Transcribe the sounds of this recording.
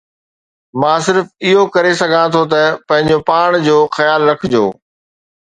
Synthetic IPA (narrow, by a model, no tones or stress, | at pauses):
mãːsɪɾfɪɦokɐɾesɐɡʱãt̪ʰot̪ɐpɐ̃ɦɪ̃ɲd͡ʑopaːɽ̃d͡ʑoːxɐjaːlɾɐkʰɪd͡ʑo̰ː